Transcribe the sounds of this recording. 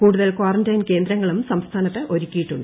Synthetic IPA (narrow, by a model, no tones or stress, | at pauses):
kuːɽuðɐlkwaːrɐndɐjnke̞ːnd̪ɾɐŋːɐɭumsɐmst̪ʰaːnɐt̪ːeʔo̞ɾukʲːijiʈːuɳɖɨ